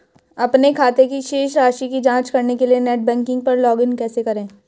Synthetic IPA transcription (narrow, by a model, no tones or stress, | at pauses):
ɐpnekʰaːt̪ekiʃeːʃɾaːʃikid͡ʒãːt͡ʃkɐɾnekelienɛːʈ̚bɛ̃ːŋkɪ̃ŋɡ̚pɐɾlɔːɡɪnkɛːsekɐɾẽː